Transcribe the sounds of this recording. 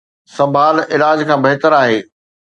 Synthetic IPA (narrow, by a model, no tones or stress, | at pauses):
sɐ̃mbʱaːlɪlaːd͡ʑkʰãːbɐɦɪt̪əɾaːɦeː